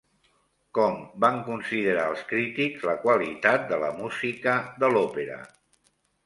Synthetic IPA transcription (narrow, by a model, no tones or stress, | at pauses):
kɔmbaŋkunsiðəɾaəlˠskɾit̪iɡzləkwalit̪at̪̚d̪ələ̰muzikəðəlɔpeɾə̰